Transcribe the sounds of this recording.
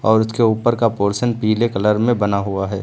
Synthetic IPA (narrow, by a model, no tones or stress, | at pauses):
ɔːɾʊskeuːpəɾkapoːɾsənpiːlekɐləɾmẽbɐnaɦuaɦɛː